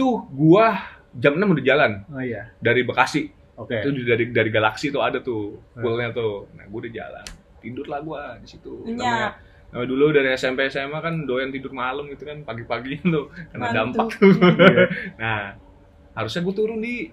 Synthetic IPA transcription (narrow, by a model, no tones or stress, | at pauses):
t̪ʊhɡuah | d͡ʒamnɲamudad͡ʒalanadaɾibakasɪh | ok̪ud͡ʒudaɾidaɾiɡalaksit̪ʊadat̪ʊhkʊlɲat̪ʊna̰hɡuadad͡ʒa̰la̰n | t̪idʊrlahɡuadisit̪uaɲa | namaduludaɾiɛsempesemakandojant̪idʊrmaləmɡit̪ukanpaɡipaɡiɲat̪ʊhkərnadampak̚t̪u | nah | haɾusɲaɡuat̪uɾʊndi